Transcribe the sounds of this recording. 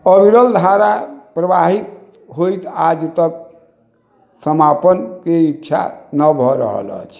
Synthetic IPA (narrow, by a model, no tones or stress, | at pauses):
əbiɾəld̪ʱaɾapɾəbaɦit̪ | ɦojt̪ad͡ʒt̪ək̚ | səmapənkeikːt͡ʃʰa̰nəbʱɔɾə̰ɦə̰lə̰t͡ʃʰ